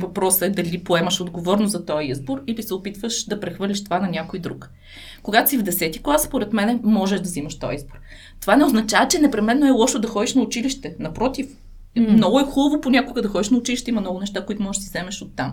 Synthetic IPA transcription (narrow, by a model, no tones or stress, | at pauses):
vɐpɾɔsəɛd̪ɐlipoɛməʃod̪ɡovɔɾnozɐt̪ɔjizboɾilisɛopit̪vəʃd̪ɐpɾɛxvɤɾlʲiʃt̪ovanɐnʲakoid̪ɾuk | koɡat̪o̥sivd̪ɛsɛt̪iklˠasspoɾɛt̪mɛnɛmɔʒɛʒd̪ɐzimɐʃt̪ɔ̰jizboɾ | t̪ovanɛoznɐt͡ʃavət͡ʃɛnɛpɾɛmɛnːoɛlˠɔʃod̪ɐxɔd̪iʃnɐʊt͡ʃiliʃt̪ɛnɐpɾɔt̪if | mnɔɡʊɛxulˠəvoponʲakʊɡəd̪ɐxɔd̪iʃnɐʊt͡ʃiliʃt̪ɛimɐmnɔɡʊnɛʃt̪akoit̪ʊmɔʒeʒʃd̪sizɛmɛʃot̪ːam